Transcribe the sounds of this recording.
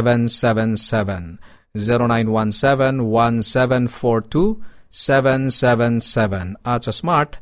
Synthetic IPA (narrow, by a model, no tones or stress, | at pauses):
ʋɛ̃nsɛʋɛ̃nsɛvɛ̃n | ziɾonãjnwãnsɛʋɛ̃nwãnsɛʋɛ̃nfɔɾtʰusɛʋɛ̃nsɛʋɛ̃nsɛʋɛ̃nat͡ʃasmaɾʈ